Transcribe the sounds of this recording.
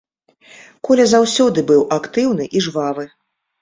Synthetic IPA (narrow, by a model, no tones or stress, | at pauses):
kɔlʲɛzawsʲɔd̪ɨbɨwakt̪ɨwn̪ɨʔiʐvavɨ